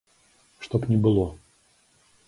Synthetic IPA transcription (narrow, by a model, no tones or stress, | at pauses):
ʂt̪opnʲɪbɨlˠo